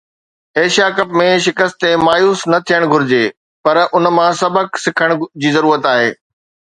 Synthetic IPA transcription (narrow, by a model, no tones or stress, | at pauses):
eːʃakɐpmẽʃɪkəst̪emaːjuːsnɐt̪ʰijəɽ̃ɡʱʊɾɪd͡ʑeː | pɐɾʊnmãsɐbʱəksɪkʰəɽ̃d͡ʑiːzɐɾuːɾət̪aːɦeː